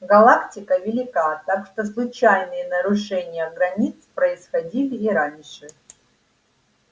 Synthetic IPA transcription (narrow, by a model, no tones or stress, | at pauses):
ɡɐlˠaktʲɪkəvʲɪlʲɪkat̪akʂt̪oslˠʊt͡ɕajnɨjənəɾʊʂɛnʲɪjəɡɾɐnʲit̪spɾəɪsxɐdʲilʲɪːɾanʲʂɨ